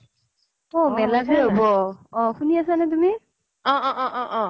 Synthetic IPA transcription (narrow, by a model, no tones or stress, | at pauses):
ɔmɛlaɡʰʱeɦobɔɔ̃kʰuniasanɛt̬umi | ɔʔɔʔɔʔɔʔɔ̃